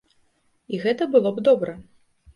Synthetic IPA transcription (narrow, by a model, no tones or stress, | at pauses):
iɣɛt̪ɐbɨlˠɔbd̪ɔbɾɐ